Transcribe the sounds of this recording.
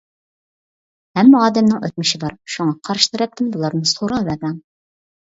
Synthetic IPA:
ɛmːɑɑːd̪ɛmnɪŋøt̪̚mɪʃɪbɑɾʃuŋɑqʰɑɾɨʃt̪ɨɾɛp̚t̪ʰɪmbulˠɑɾnɨsoɾɑvæb̪æŋ

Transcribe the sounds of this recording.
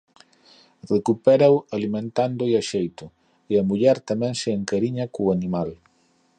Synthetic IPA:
rekupɛɾawalimẽnt̪and̪ʊeaʃejt̪ʊ | eɐmuʎɛɾt̪amɛ̃ŋsɪːŋkaɾiɲɐkoanimal

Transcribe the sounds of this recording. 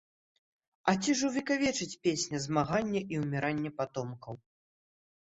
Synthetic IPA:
ɐt͡sʲiʐɨwvʲikavʲɛt͡ʂɨt͡sʲpʲesʲnʲɐzmaɣanʲːɐʔiwmʲɛɾanʲːɛpat̪ɔmkɐw

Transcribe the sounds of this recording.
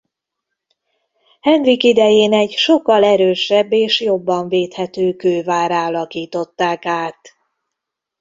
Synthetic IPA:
hɛnd̪rikid̪ɛjeːnɛɟʃo̞kːɒlɛɾøːʃɛbːeːʃjo̞bːɒɱveːt̪hɛt̪øːkøːvaːɾaːlɒkiːt̪o̞t̪ːaːkaːt̪

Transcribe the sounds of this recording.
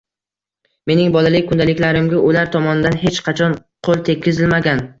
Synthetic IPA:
me̞nɪŋbɒlalɪk̚ʲkʰːʊnd̪alɪkʲlaɾɪmɡʲaʊlaɾt̪ʰɒmɒnɪd̪anɦe̞t͡ʃqʰɑt͡ʃʰɒnqʰolˠt̪ʰe̞kʲʰːɪzɪlmaɡʲan

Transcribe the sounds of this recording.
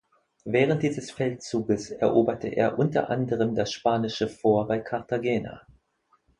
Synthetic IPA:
vɛːʁ̞ənt̚d̥iːzəsfɛltt͡suːɡəsɛɐʔoːbɐtʰəʔḛːɐʔʊntɐ̰ʔa̰ndəʁ̞əmdasʃpaːnɪʃəfoːɐbaɪkʰaɐtaɡɛːna̰

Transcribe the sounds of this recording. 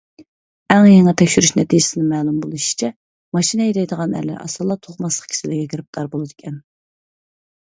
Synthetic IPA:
ɛŋjɛŋɨt̪ʰɛkʲʃyɾyʃnɛt̪ʰijɪsɪnɪmɛːlˠumbolˠuʃi̥t͡ʃʰɛ | mɑʃinɛjid̪ɛjd̪əʁɑnɛ̰lɪ̰ʔɑ̰sɑlˠːɑt̪ʰoχmɑslˠə̥q̚kʲʰi̥sɪlɪɡʲɛkʰʲɾɪp̚t̪ʰɑɾbolˠɨd̪ɨkʲʰɛn

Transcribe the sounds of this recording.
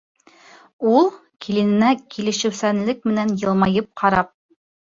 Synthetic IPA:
ulˠkʰilɘ̆nɘ̆nækilɘ̆ʃɘ̆wsænlɘk̚mɘ̆nænjɤ̆lˠmɑjɤp̚qʰɑɾɑp̚

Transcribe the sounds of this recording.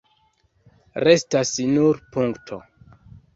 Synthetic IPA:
ɾe̞stasnuɾpuŋktʰo̰

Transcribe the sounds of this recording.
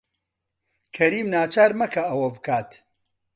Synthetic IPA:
kʰɐɾiːmnaːt͡ʃʰaːɾmɐkʰɐɐwɐbɨkʰaːt̪

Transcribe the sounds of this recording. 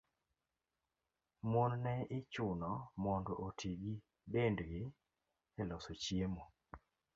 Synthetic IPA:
monnɛɪt͡ʃʊnɔmɔndɔʔotʰiɡi | bendɡɪ | ɛlɔsot͡ʃjemo

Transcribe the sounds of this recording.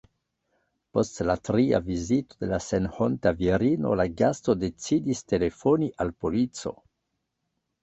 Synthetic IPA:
po̞stlatɾia̰vizitode̞lasenhontaviɾino̰laɡasto̞de̞t͡sidiste̞le̞foniʔalpolit͡so̞̰

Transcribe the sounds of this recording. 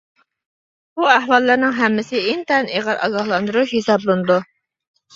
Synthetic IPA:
buæɦwɑlˠːəɾnɪŋɦɛmːɪsɪɪnt̪ɛneʁɑɾʔɑ̰ɡɑhlˠɑnd̪uɾuʃhesɑblˠunɨd̪u

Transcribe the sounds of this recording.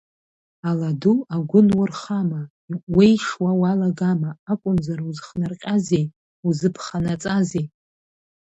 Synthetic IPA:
aladuaɡʷʊnwʊrχama | ʔwejʂwawalaɡamaːkʷʼʊnzaɾuzχnarqʲʼazej | uzɨpʰχanat͡sʼazej

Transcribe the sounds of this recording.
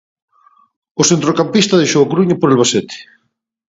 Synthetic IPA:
ʊsent̪ɾokampist̪ɐðejʃowakɾuɲapoɾelβaset̪ɪ̥

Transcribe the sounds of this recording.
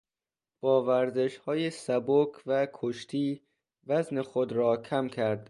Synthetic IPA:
b̥ɒːvæɾzeʃhɒːjesæbokʰvækʰoʃt̪ʰiː | væznexod̪ɾɒːkʰæmkʰæɾd̪̥

